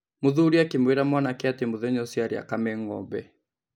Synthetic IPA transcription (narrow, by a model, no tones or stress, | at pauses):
mʊðuɾiakimweɾamwanakɛatemuðɛɲɔsiaɾia̰kamɛŋɔ̰bɛ